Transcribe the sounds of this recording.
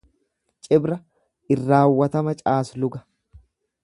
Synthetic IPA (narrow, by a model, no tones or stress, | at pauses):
t͡ʃʼɪbɾɐ | ɪrːaːwːɐt̪ɐmɐt͡ʃʼaːslʊɡɐ̥